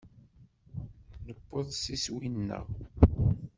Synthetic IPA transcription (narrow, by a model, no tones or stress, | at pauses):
nəbːəðˤsiswinːə̰ʁ